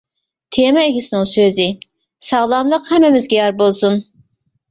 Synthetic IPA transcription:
t̪ʰemɛeɡʲisɪnɨŋsøzɪ | sɑʁlˠɑmlˠəqhɛmːɛmɪzɡʲɛjɑɾbolˠsun

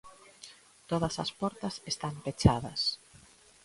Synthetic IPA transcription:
t̪oðɐsɐ̰spɔɾt̪ɐsest̪ampet͡ʃaðɐs

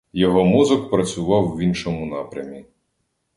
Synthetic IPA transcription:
jɔɦɔmuzɔkpɾɐt͡sʲʊʋɑwʋʲinʃɔmʊnɑpɾʲɐmʲi

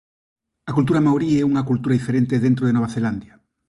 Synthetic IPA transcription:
ɐkult̪̬uɾɐmawɾiɛuŋɐkult̪uɾɐðifeɾent̪eðent̪ɾoðenoβaθeland̪jɐ

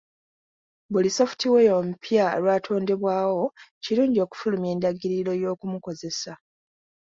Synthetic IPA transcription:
buliso̞fu̥tiweo̞mupjao̰lwaːtʰo̞ːnde̞βwaːwo̞ciɾuːɲɟio̞ːku̥fulume̞ːndaɡiɾiɾo̞jo̞ːkumuko̞ze̞sa

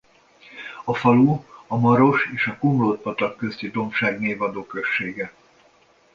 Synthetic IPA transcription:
ɒfɒluɒmɒɾo̞ʃeːʃɒkomloːt̪̚pɒt̪ɒkːøst̪id̪o̞mʃaːɡneːvɒd̪oːkø̞ʃːeːɡɛ

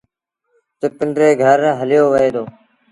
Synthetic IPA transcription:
t̪ɪpəɳɖɾeːɡʱəɾɦəlɪjoːʋəeːd̪oː

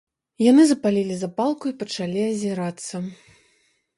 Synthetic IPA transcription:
janɨzɐpalʲilʲizapalˠkuipɐt͡ʂalʲiɐzʲiɾat̪sːɐ

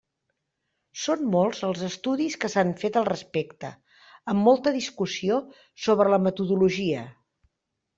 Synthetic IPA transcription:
sonmolˠzəlˠzəst̪uðiskəsaɱfet̪əlˠrəspekt̪ə̰ | əmːolˠt̪əðiskusio | soβɾələmət̪uðuluʒiə

